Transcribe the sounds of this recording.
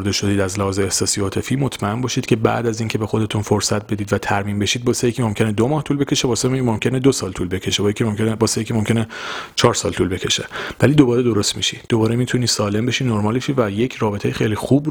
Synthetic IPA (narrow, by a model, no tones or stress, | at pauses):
ɾd̪e̞ʃo̞d̪iːd̪æzlæhɒːzeːhsɒːsijɒːt̪ʰe̞fiːmot̪ʰmæe̞mbɒːʃiːd̪̚cʰe̞bæ̰ʔd̪æziːncʰe̞be̞xo̞d̪e̞t̪ʰunfoɾsæt̪̚b̥e̞d̪iːd̪væt̪ʰæɾmiːnbe̞ʃiːd̪̚bɒːsejecʰimomkʲcʰened̪omɒːht̪uːlbecʰe̞ʃebɒːsemomcʰened̪osɒːlt̪ʰuːlbe̞cʰe̞ʃebɒjecʰʲimomcʰʲenebɒːsejecʰʲimomcʰʲe̞net͡ʃʰɒːɾsɒ̰ːlt̪ʰuːlbe̞cʰe̞ʃe̞væliːd̪o̞bɒːɾe̞d̪o̞ɾo̞st̪miʃi̥d̪obɒːɾemit̪ʰuni̥ːsɒːle̞mbe̞ʃiːnoɾmɒːlbeʃivæje̞cʰrɒːbetʰejexejlixub